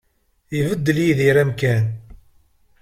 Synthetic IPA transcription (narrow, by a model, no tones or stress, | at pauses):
ivəd̪ːəljiðiɾæmkæn